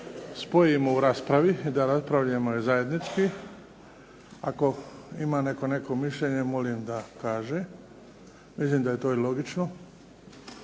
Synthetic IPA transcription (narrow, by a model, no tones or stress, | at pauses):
spo̞jimouɾaːspɾaʋid̪aɾaspɾaʋʎaemojezaje̞d̪nit͡ʃki | ako̞imaːne̞ko̞ne̞ko̞miʃʎeɲe̞mo̞limd̪akaːʒe | mislimd̪aje̞t̪o̞ːilo̞ɡit͡ʃno